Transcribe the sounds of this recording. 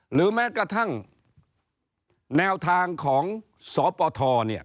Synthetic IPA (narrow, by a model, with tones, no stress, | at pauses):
ɾɯː˩˦mɛː˦˥kɾa˧t̪ʰa˥˩ŋ | nɛː˧wt̪ʰaː˧ŋkʰɔː˩˦ŋ | sɔː˩˦pɔː˧t̪ʰɔː˧ni˥˩ɐ